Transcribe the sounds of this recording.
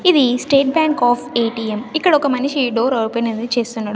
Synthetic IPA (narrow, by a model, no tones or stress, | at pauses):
id̪isʈeːʈ̚baːŋkaːfʰeːʈiːemikːɐɽɐɔkɐmɐniʃiɖoːɾɐɾupeːnenit͡ʃeːst̪unːaːɽu